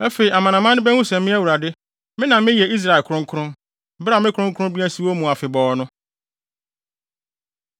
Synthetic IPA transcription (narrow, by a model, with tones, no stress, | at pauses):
æ˦fe˨i˨a˨mã˨nã˨mã˦nɪ̃˦bɛ˦hũ˦sɛ˨mĩ˦æ˦wu˨ɾa˨dɪ˦ | mɪ̃˦nã˨mɪ̃˦jɛ˨i˦s̬ɾa˨lkʰʊ˦ɾʊ̃˦ŋ̩˦kʰʊ˦ʊ̃˦m | bɾa˨mɪ̃˦kʰʊ˦ʊ̃˦ŋkʰʊ˦ɾʊ̃˦m˦bi˦æ̃˦si˨wo˦mũ˨a˨fɪ˨bɔː˨nʊ̃˦